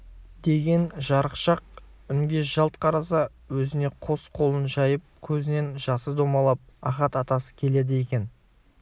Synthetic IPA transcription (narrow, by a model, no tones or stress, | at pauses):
d̪̥e̞ɡʲe̞nʒɑɾəqʃɑq̚ʏŋɡʲe̞ʒ̥ɑlˠt̪̚qʰɑɾɑs̬ɑ | wɵzɪne̞qʰo̞sqʰo̞lˠənʒɑjəp̚kʲʰɵzɪne̞nʒɑsəd̪o̞mɑlˠɑp̚ɑχɑt̪ɑt̪ɑsə̥kʲʰe̞le̞d̪ɪje̞kʲe̞n